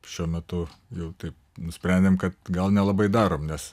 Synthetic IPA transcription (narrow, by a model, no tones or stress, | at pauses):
ʃʲuɔmʲɛt̪ʊjɛʊt̪ɐɪp̚ | nʊsʲpʲɾʲɛnʲd̪ʲeːmkɐt̪ɡɐlˠnʲɛlˠɐbɐɪd̪ɑːɾoːmnʲɛs